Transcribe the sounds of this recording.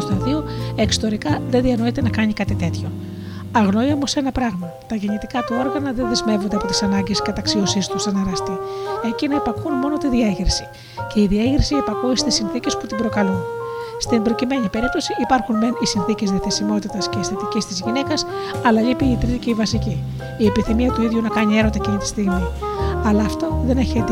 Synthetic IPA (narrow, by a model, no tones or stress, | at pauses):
st̪oðioekso̥t̪o̞ɾikɐðeðiɐno̞it̪e̞nɐkɐɲikɐt̪it̪e̞t̪ço̞ | ɐɣno̞iomose̞nɐpɾɐɣmɐ | t̪ɐʝe̞ɲit̪ikɐt̪uo̞ɾɣɐnɐðe̞nðezme̞vo̞nd̪eɐpo̞t̪i̥sɐnɐɲɟe̞skɐt̪ɐksio̞sist̪ust̪inɐɾɐst̪ie̞cinɐepɐkunmo̞no̞t̪iðiɐʝiɾsi | ce̞iðiɐʝɾisiepɐkuisi̥t̪isinθicesput̪ibɾo̞kɐlunst̪imbɾo̞cime̞ɲipe̞ɾip̚t̪o̞siʔipɐɾxunmenisinθice̞zðiɐθesimo̞t̪it̪ɐsce̞ist̪ɐt̪icist̪izʝine̞kɐs | ɐlɐlipiːt̪ɾice̞ivɐsiciː | e̞piθimiɐt̪uiðʝunɐkɐɲie̞ɾot̪ɐecinɐt̪i̥st̪iɣmiɐlɐːft̪o̞ðe̞neçet̪